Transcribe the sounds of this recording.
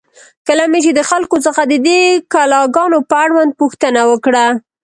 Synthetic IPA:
kəlamet͡ʃed̪əxalkosəxad̪əd̪ekalɑɡɑnopəaɽwand̪̚puxt̪ənawəkɽa

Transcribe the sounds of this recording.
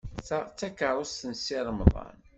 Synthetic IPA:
θət͡sːækːəɾˤʊst̪ənsɪɾˤəmðˤɑ̰n

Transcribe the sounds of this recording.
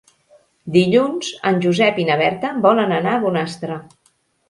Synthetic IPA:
d̪iʎunz̥ənʲʒuzɛpinəβɛɾt̪əbɔlənənaːβunast̪ɾə

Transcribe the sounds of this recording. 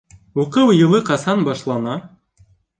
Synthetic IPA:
uqɤwjɤ̆lˠɤqɑsɑnbɑʃlˠɑnɑ

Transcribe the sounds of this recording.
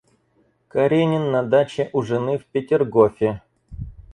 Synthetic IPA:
kɐɾʲenʲɪnːɐd̪at͡ɕɪʔʊʐɨnɨfpʲɪtʲɪrɡofʲɪ

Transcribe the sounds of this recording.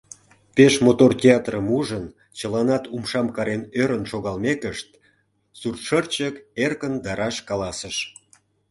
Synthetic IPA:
peʃmot̪ortʲeɑt̪rəmuʒən | t͡ɕəlɑnɑt̪umʃɑmkɑɾenøɾənʃoɣɑlmekəʃt̪ | surʃərt͡ɕəkerkənd̪ɑɾɑʃkɑlɑsəʃ

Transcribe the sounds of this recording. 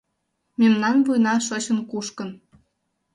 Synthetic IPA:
memnɑnvujnɑʃot͡ɕə̆nkuʃkən

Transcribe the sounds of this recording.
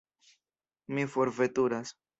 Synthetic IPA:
mifoɾvet̪uɾas

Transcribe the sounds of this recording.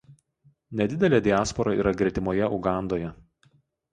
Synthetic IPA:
nʲɛd̪ʲɪd̪ʲɛlʲeːd̪ʲɪæːspɔɾɐḭːɾɐɡɾʲɛt̪ʲɪmoːjɛʊɡɑˑnd̪oːjɛ

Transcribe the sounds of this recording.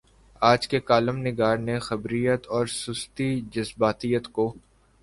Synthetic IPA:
aːd͡ʒkekaːləmnɪɡaːɾnexɐbɾijət̪ɔːɾsʊst̪id͡ʒɐsbaːt̪ijət̪koː

